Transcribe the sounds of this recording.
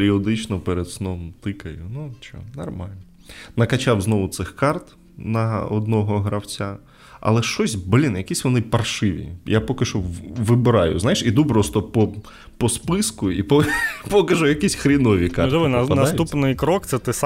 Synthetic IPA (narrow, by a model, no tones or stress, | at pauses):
ɾʲiɔd̪ɪt͡ʃnɔpɛɾed̪snɔmt̪ɪkɐjʊnut͡ʃɔ̰nɔ̰rmɑlʲnɔ | nɐkɐt͡ʃawznɔʋʊt̪sɪxkɑrt̪ | nɐɔ̰d̪nɔɦɔɦɾɐwt͡sʲa | ɐ̰lˠɛʃt͡ʃɔsʲblʲinjɐkʲisʲʋɔnɪpɐrʃɪʋʲḭjapɔkɪʃɔʋɪbɪɾɑjʊ̰znajɪʃid̪upɾɔst̪ɔpɔ | pɔspɪskʊipɔpɔkɐʒʊjɐkisʲxɾʲinɔʋʲikɑ̰rɛʋnɐɐsupnɪjkɾɔkt̪sɛt̪ɛs